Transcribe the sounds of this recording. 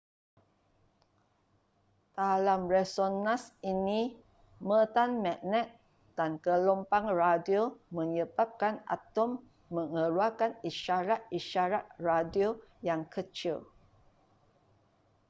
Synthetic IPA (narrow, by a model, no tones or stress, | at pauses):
t̪alamrɛsonãsini | mət̪anmɛʔnɛt̪̚ | d̥ankəlɔmpaŋradiomə̃ɲəbap̚kana̰t̪ɔmː | əŋəɾuakaniʃaɾat̪̚iʃaɾat̪̚radiojaŋkət͡ʃil